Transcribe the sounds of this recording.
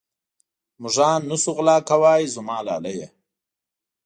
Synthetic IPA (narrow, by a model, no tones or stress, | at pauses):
muʐɑːnːusuɣlɑːkawaːjzumɑːla̰ːlaje